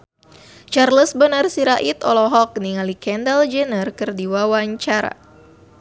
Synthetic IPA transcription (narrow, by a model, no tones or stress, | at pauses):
t͡ʃarləsbənarsiɾaʔit̪ɔlɔɦɔk̚niŋalikɛndəld͡ʒənərkɨrdiwawaɲt͡ʃaɾa̰